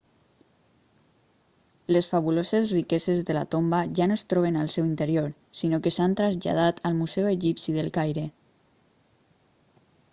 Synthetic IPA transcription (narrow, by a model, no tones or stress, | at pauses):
lesfaβulozezrikɛzezðəla̰t̪ombaʒanoest̪ɾɔβ̞enalˠsɛwint̪əɾijoɾ | sinokesant̪ɾazʎa̰ð̞at̪ʰəlˠmuzɛweʒipsiðəlˠkajɾe